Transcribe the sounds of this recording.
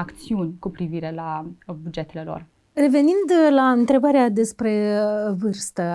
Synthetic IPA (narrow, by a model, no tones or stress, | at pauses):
akt̪siunʲkupɾiviɾe̞labud͡ʒe̞t̪e̞le̞lo̞̰r | re̞ve̞nind̪laɨnt̪ɾe̞baɾead̪e̞spɾe̞vɨrst̪ə